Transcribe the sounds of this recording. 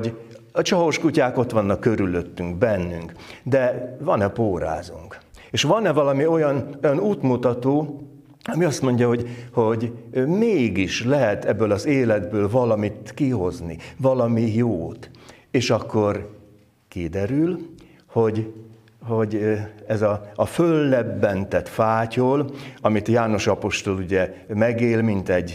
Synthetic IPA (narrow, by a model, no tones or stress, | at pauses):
ɟ | ɒt͡ʃɒɦoʃkucaːko̞t̪ʋɒnːɒkːø̞ɾylø̞t̪ːyŋɡbɛnːyŋkd̪ɛvɒnɛpoːɾa̰ːzṵŋk | eːʃʋɒnɛvɒlɒmio̞jɒnojɒnuːt̪mut̪ɒt̪oː | ɒmiɒst̪mo̞ɲɟɒɦo̞ɟho̞ɟmeːɡiʃlɛɦɛt̪ɛbːølɒzeːlɛd̪bøːlvɒlɒmit̪kiɦo̞znḭvɒlɒmijoːt̪ | eːʃɒkːo̞r | kid̪ɛɾyl | ho̞ɟ | ho̞ɟɛzɒːfølːɛbːɛnt̪ɛt̪faːcolɒmit̪jaːno̞ʃɒpo̞ʃt̪o̞luɟɛmɛɡeːlmint̪ɛɟː